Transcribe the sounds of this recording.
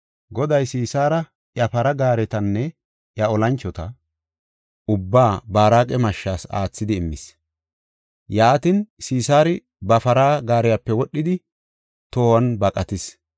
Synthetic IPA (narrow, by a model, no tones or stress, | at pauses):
ɡɔd̪ɐjsiːsaːɾɐ | ʔjɐfɐɾɐɡaːɾɛt̪ɐnːɛ | jɐɔlɐnt͡ʃːɔt̪ɐ | ʊbːaːbaːɾaːkʼɛmɐʃːaːsa̰ːt͡sːɪd̪ɪːmːɪ̰s | jaːt̪insiːsaːɾɪ | bɐfɐɾaːɡaːɾɪjapːɛwɔɗːɪd̪ɪ | t̪oːwɐnbɐkʼɐt̪ɪs